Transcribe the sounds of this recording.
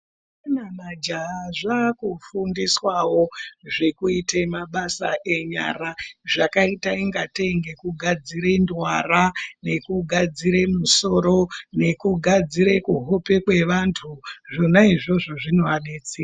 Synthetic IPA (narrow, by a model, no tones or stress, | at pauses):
enanad͡ʒaʐakufundiswawo̞ʐe̞kuitemaɓasa̰ʔe̞ɲa̰ːraʐakaitaiŋɡateŋɡe̞kuɡʱad͡ziɾe̞ndwarane̞kuɡʱad͡ziɾe̞muso̞ɾo̞ne̞kuɡʱad͡ziɾe̞kuɦo̞pe̞kwe̞ʋantʰuʐonaiʐo̞ʐo̞ʐinoʋaɗet͡siːra